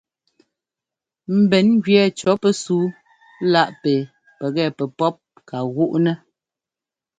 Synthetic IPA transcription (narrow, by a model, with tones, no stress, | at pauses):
m̩˨bɛ˨˦nɡɥɛ˨t͡ʃɔ˨˦pə˦suː˨˦ | la˦˨ʔpe˨ | pɛ˨ɣɛ˦˨pɛ˨pɔ˦p̚ | ka˨ɣu˦ʔnɛ˦